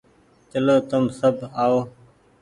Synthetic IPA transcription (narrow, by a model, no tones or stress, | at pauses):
t͡ʃəloːt̪əmsəbʱaːoː